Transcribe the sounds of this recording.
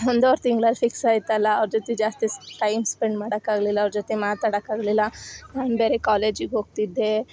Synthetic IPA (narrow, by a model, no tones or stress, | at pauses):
ɦond̪oɾt̪iŋɡɭɐlpʰiksaːjt̪ːɐlːɐːʋɾd͡ʒot̪ed͡ʒaːst̪iʈɐjmspeɳɖmaːɽɐkːaːɡlilːɐːʋɾd͡ʒot̪emaːt̪aːɽɐkːaːɡlilːɐnaːnbeːɾekaːleːd͡ʒiɡɦoːɡ̚t̪id̪ːe̞